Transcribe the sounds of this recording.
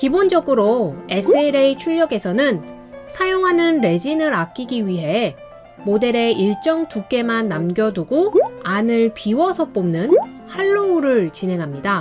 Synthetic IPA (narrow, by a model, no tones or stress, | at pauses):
kibond͡ʑʌɡɯɾoe̞sʰeɾeit͡ɕʰuʎːjʌɡe̞sʰʌnɯn | sʰajoŋɦanɯnɾe̞d͡ʑinɯɾak͈iɡiɥiɦe̞ | mode̞ɾe̞iɭt͡ɕ͈ʌŋtuk͈e̞manːamɡjʌduɡoanɯɭpiwʌsʰʌp͈omnɯn | haɭːouɾɯɭt͡ɕine̞ŋɦamɲida